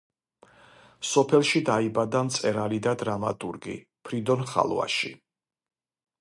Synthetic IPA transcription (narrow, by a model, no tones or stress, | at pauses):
sɔpʰɛlˠʃid̪aibad̪amt̪sʼɛɾalid̪ad̪ɾama̰t̪ʼuɾɡḭ | pʰɾid̪ɔnχa̰lˠwa̰ʃi